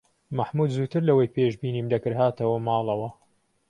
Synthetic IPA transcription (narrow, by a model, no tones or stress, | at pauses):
maħmud̪zuːt̪ʰɨɾlɐwɐjpeʃbiːniːmd̪ɐkɨɾɦaːt̪ʰɐwɐmɑːlˠɐwɐ